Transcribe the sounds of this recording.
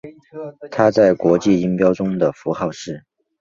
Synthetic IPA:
t̪ʰa˥t͡sa˥˩ɪkwɔ˧˥t͡ɕi˥˩i˥ŋpjɑ˥ʊʈ͡ʂʊ˥ŋd̪ə˨fu˧˥xɑ˥˧ʊʂɻ̩˥˩

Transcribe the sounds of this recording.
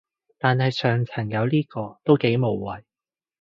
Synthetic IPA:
t̪aː˨nhɐ˨jsœː˨ŋt͡sʰɐ˨˩ŋjɐ˨˧wliː˥kɔː˧t̪o˥wke˨˥jmo˨˩wːɐ˨˩j

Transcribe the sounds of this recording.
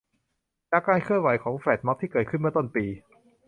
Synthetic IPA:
t͡ɕa˧˩kːaː˧nkʰɯ˥˩ənwa˩˦jkʰɔː˩˦ŋfɛː˨˩t̪̚mɔ˦˥p̚t̪iː˥˩kɤː˨˩t̪̚kʰɯ˥˩nmɯ˥˩ət̪o˥˩npiː˧

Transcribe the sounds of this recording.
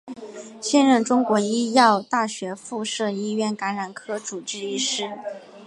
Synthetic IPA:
ɕjɛ˥˧nɻə˥˩ŋʈ͡ʂʊ˥ŋkwɔ˧˥i˥jɑ˥˧ʊt̪a˥˩ɕɥɛ˧˥fu˥˧ʂɤ˥˧i˥ɥɛ˥˩nka˧˥nɻa˨˩nkʰɤ˥ʈ͡ʂu˨˩ʈ͡ʂɻ̩˥˧i˥˩ʂɻ̩˥

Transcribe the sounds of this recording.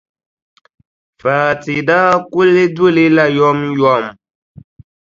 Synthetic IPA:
faː˨ti˨da˦ku˦le˦du˦˨le˦la˦˨jɔ˦mjɔ˦˨m

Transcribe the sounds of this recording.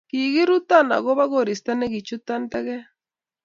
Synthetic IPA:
ki˨ɣi˦ɾu˦t̪a˦na̰˨ɣo˦βa˦ɣo˨ɾi˨st̪a˦ne˦ɡi˨t͡ʃu˦t̪a˦nt̪e˦ɣe˦

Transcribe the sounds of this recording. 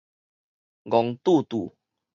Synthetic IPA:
ɡɔ˨ŋt̪u˥˧˨t̪u˨˩

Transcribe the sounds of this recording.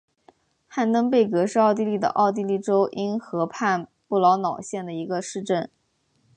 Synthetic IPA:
xa˥˩nt̪ə˥ŋpe˥˩ɪkɤ˧˥ʂɻ̩˥˧ɑ˥˧ʊt̪̬i˥˧li˥˩d̪ə̰˩ʔɑ̰˥˧ʊt̪̬i˥˧li˥˩ʈ͡ʂo˥ʊʔi˥nxɤ˧˥pʰa˥˧npu˥˩lɑ˧˥ʊnɑ˨˩ʊɕjɛ˥˩nd̪ə˩i˧˥ɡə˧ʂɻ̩˥˧ʈ͡ʂə˥˩n

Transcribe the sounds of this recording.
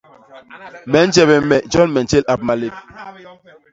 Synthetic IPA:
mɛ˨˦n̩˦d͡ʒɛ˨bɛ˨mɛ˨d͡ʒɔ˦nmɛ˨nt͡ʃe˦la˨p̚ma˨le˦˨p̚

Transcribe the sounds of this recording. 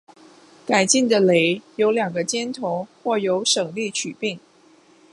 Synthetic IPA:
ka˨˩ɪt͡ɕi˥˩ŋd̪ə˩le˧˥ɪjo˧˥ʊljɑ˨˩ŋɡə˦t͡ɕjɛ˥nt̪ʰo˧˥ʊxwɔ˥˩jo˧˥ʊʂɤ˨˩ŋli˥˩t͡ɕʰy˨˩pi˥˩ŋ

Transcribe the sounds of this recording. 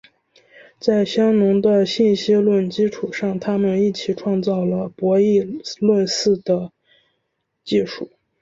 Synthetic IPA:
t͡sa˥˩ɪɕjɑ˥ŋnʊ˧˥ŋd̪ə˧ɕi˥˩nɕi˥lwə˥˩nt͡ɕi˥ʈ͡ʂʰu˨˩ʂɑ˥˩ŋt̪ʰa˥mə˨ni˥˩t͡ɕʰi˨˩ʈ͡ʂʰwɑ˥˧ŋt͡sɑ˥˩ʊlə˩pwɔ˧˥i˥˧lwə˥˧nsɹ̩˥˩d̪̥ə˩ | t͡ɕi˥˧ʂu˥˩

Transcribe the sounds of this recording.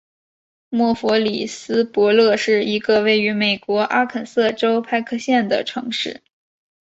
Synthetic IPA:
mwɔ˥˩fɔ˧˥li˨˩sɹ̩˥pwɔ˧˥lɤ˥˧ʂɻ̩˥˩i˧˥ɡə˧we˥˩ɪy˧˥me˨˩ɪkwɔ˧˥ʔa˥kʰə˨˩nsɤ˥˩ʈ͡ʂo˥ʊpʰa˥˧ɪkʰɤ˥˧ɕjɛ˥˩nd̪ə̰˩ʈ͡ʂʰɤ˧˥ŋʂɻ̩˥˩

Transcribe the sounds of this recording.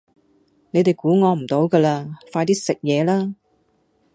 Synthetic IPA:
ne˨˧jt̪e˨jkuː˨˥ŋɔː˨˧m̩˨˩t̪o˨˧wkɐː˧laː˧faː˧jt̪iː˥sɪ˨k̚jɛː˨˧laː˥

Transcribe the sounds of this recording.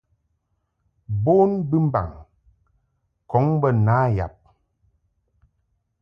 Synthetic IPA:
boː˦nbɨ˦m˦ba̰˨ŋ | kɔ˨˦ŋbə˦naː˨˦ja̰˨p̚

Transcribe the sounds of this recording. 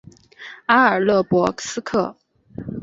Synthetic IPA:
a˥ə˞˨˩lɤ˥˩pwɔ˧˥sɹ̩˥kʰɤ˥˩

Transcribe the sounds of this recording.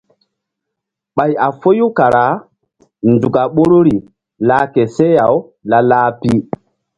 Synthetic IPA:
ɓa˨ja˨fo˦ju˦ka˨ɾa˨˦ | ndu˨ka˨ɓo˦ɾo˦ɾi˨ | laː˦ke˨se˦ja˨w | la˦laː˦pi˦

